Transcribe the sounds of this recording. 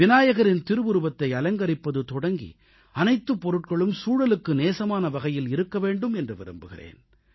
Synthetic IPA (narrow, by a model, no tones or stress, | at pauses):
ʋɪnaːjɐɣɐɾɪnt̪ɪɾɯʋɯɾɯbɐt̪ːɐɪɐlɐŋɡɐɾɪpːɐðɯt̪ɔɽɐŋɡḭ | ɐnɐɪt̪ːɯpːɔɾɯʈ̚kɐɭɯmsuːɻɐlɯkːɯneːsɐmaːnɐʋɐɣɐjɪlɪɾɯkːɐʋeːɳɖɯmɛndrɯʋɪ̰ɾɯ̰mbɯɣɪ̰rḛːn